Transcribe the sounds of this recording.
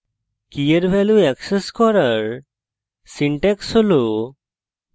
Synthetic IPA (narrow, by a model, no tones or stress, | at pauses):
kijəɾbʱɛluɛkseskɔɾaɾ | siɳʈɛksɦolo